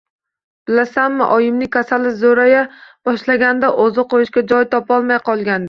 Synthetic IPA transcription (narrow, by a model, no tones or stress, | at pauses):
b̥ɪlasanmɪʔɒjɪmnɪkʲʰasalɪzoɾajab̥ɒʃlaɡʲand̪aʔozɨqojɪʃkʲad͡ʒɒjt̪ʰɒpɒlˠmajqʰɒlˠɡʲand̪